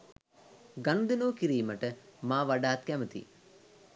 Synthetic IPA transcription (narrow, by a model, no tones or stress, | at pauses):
ɡɐnd̪inuːkiɾiːmɐʈəmaːʋɐɖaːt̪̚kɛmət̪ḭ